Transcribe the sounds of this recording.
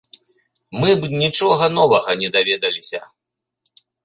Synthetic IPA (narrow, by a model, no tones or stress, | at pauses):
mɨnʲit͡ʂɔɣɐnɔvɐɣɐnʲɛd̪avʲɛd̪ɐlʲisʲɐ